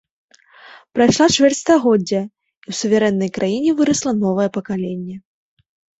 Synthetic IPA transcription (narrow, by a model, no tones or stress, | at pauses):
pɾajʂlˠat͡ʂvʲɛrt͡sʲst̪aɣɔd͡zʲːɐ | iwsuvʲaɾɛnːɐjkɾʔajinʲɛvɨɾɐslˠɐnɔvɐjɛpɐkalʲenʲːɛ